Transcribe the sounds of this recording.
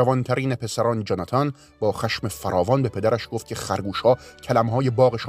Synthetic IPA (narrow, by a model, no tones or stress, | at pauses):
ævɒnt̪ʰæɾiːnepʰe̞sæɾɒːned͡ʒɑnɑt̪ʰɒn | bɒːxæʃmefæɾɒːvɒːnbe̞pʰe̞d̪æɾʔæʃɡ̥oft̪̚cʰexæɾɡuːʃhɒːcʰælæmhɒːjebɒːɣeʃ